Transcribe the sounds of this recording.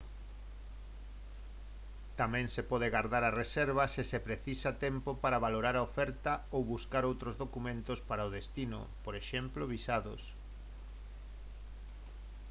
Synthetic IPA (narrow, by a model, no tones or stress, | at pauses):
t̪amɛ̃ŋsepɔðeɣaɾðaɾɐresɛɾβɐsɪsepɾeθisat̪ɛmpopaɾaβaloɾaɾaofɛɾt̪ɐowβuskaɾowt̪ɾozðokumẽnt̪ʊspaɾaoðest̪inʊ̰poɾeʃɛmploβisaðʊ̰s